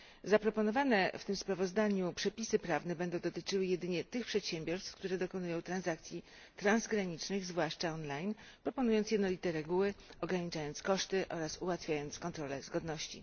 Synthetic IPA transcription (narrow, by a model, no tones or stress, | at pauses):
zapɾɔpɔnɔvanɛft̪ɘmspɾavɔzd̪aɲupʂɛpʲisɘpɾavnɛbɛnd̪ɔ̃w̃d̪̃ɔt̪ɘt͡ʂɘwɘjɛd̪ɘɲɛt̪ɘxpʂɛt̪ɕɛmbʲjɔɾst̪fkt̪uɾɛd̪ɔkɔnujɔ̃w̃t̪ɾanzak̚t̪sʲji | t̪ɾanzɡɾaɲit͡ʂnɘɣzvwaʂt͡ʂaɔnlajn | pɾɔpɔnujɔnt̪sjɛd̪nɔlʲit̪ɛɾɛɡuwɘɔɡɾaɲit͡ʂajɔnt̪skɔʂt̪ɘʔɔ̰ɾasuwat̪fʲjajɔnt̪skɔnt̪ɾɔlɛzɡɔd̪nɔɕt͡ɕḭ